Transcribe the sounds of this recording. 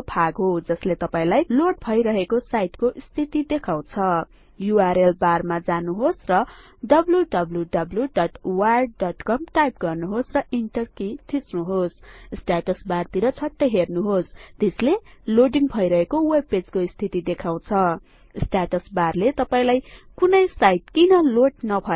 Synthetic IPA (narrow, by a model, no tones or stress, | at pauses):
pʰaɡɦod͡zʌslet̪ʌpaĩlajloɖ̚bʱʌjɾʌɦekosajʈkoʔist̪ʰit̪id̪ekʰaw̃t͡sʰʌ | juaɾelbarmad͡zanuɦosrʌ | ɖʌbljuɖʌbljuɖʌbljuɖʌʈwaɖ̚ɖʌʈkʌmʈajp̚ɡʌrnuɦosrʌʔiɳʈʌrkit̪ʰisnuɦossʈaʈʌsbart̪iɾʌt͡sʰʌʈːʌɦernuɦost̪esleloɖiŋbʱʌjɾʌɦekowebpːed͡zkoist̪ʰit̪id̪ekʰaw̃t͡sʰʌ | sʈaʈʌsbarlet̪ʌpaĩlajkunʌjsajʈkinʌloʈnʌbʱʌ